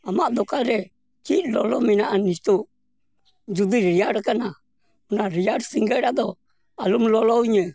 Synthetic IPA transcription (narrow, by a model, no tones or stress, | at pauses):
amaʔd̪ɔkaɾɛ | kiʔlɔlɔminaʔanist̪u | d͡ʒud̪iɾijaɾkana | unaɾijaɾsiŋɡɛɾad̪ɔ | alumlɔlɔiɲə